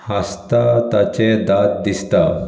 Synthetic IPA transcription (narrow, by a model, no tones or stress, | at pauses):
hast̪at̪at͡ɕed̪at̪̚d̪ist̪a